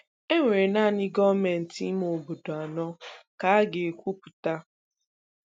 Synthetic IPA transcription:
e˦ŋʷe˨ɾe˨na˦˨nɪ˦ɡɔ˦me˨n̩˨ti˦mo˨bo˨do˨a˨nɔ˦ka˨˦a˦ɡe˨e˨kʷu˦pu˨ta˦

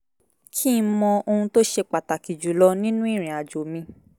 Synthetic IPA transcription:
kʰi˦˧˦mɔ̃˧o˧hũ˧to˦ʃe˧k͡pa˨ta˨ki˨d͡ʒu˨˦lɔ˧˦nĩ˦nũ˦i˦˨ɾ̃ĩ˨a˨d͡ʒo˨mĩ˧˦

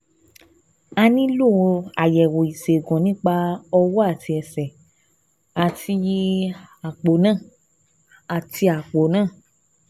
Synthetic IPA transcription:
a˧nĩ˦lo˦˨˧a˨jɛ˨wo˨i˨se˨ɡɔ̃˨nĩ˦k͡pa˧ɔ˧wɔ˦a˦˨ti˧ɛ˧sɛ˨ | a˨tʰi˧ji˧a˨k͡po˨˦nãː˦˨ | a˨ti˧˦a˨k͡po˨˦nãː˦˨

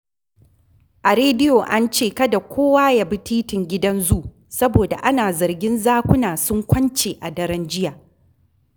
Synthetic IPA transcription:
ʔa˨ɾeː˦dɪ˦joː˨ʔa˦nt͡ʃeː˦˨kɐ˦da˨kʷoː˦waː˦ja˦˨bi˦tiː˦tɪ˨ŋɡʲɪ˦dɐ˦nzuː˦˨ʔ | sɐ˦boː˨da̰˨ʔa˦naː˨zɐ˨rɡʲɪ˦nzaː˦kʷʊ˦naː˨sʊ˦ŋkʷɐ˦nt͡ʃeː˨ʔa˨dɐ˦ɾɐ˦nd͡ʒɪ˦jaː˨

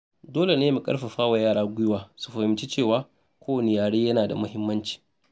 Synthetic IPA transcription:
doː˦le˨neː˦mu˨kʼɐ̰˦ɽɸa˨ɸaː˦wa˨jaː˦˨ɽaː˦ɡʷʊ˦jʊ˦waː˨su̥˨ɸɐ˨hɪ˨mt͡ʃi˦t͡ʃeː˦˨waː˦ | kʷoː˦wɐ˨nɪ˨jaː˨ɽeː˦jɐ˦naː˨da˨mʊ˦hɪ˦mːɐ˦nt͡ʃi̥ː˨

